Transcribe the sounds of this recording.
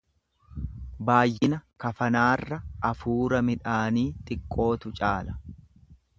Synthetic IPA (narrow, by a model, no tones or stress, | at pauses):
baːjːɪnɐkɐfɐnaːrːɐʔɐfuːɾɐmɪᶑaːniːt̪ʼɪkʼːo̞ːt̪ʊt͡ʃʼaːlɐ̥